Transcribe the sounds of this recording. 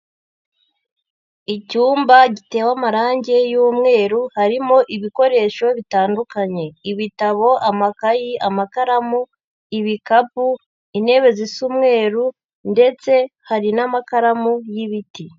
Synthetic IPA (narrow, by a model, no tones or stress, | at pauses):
icuːmbaɟite̞ːwamaɾaːɲɟe̞juːmŋe̞ːɾuhaɾimo̞ʔiβiko̞ɾe̞ːʃo̞βitaːndukaɲe̞iβitaβo̞ʔamakajiʔamakaɾamu | iβikapu | ine̞βe̞zisumŋe̞ːɾu | nde̞t͡se̞haɾinamakaɾamujiβiti